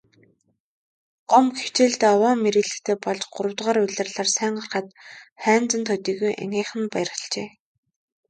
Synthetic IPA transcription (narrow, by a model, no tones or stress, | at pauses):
ɢ̥ɔmxe̥w̥t͡ɕeːɮt̪eːɔwɔːmeɾɘ̆ɮɘ̆xt̪ʰeːpɔɮt͡ɕɢʊɾə̆wt̪ʁaːɾʊɮărɮaːrsæːɴɢə̆rχăt̪χæːnt͡sə̆nt̪ʰʊt̪iːɣujʔa̰ŋiːχɘ̆npæjrʁə̥̆ɬt͡ɕeː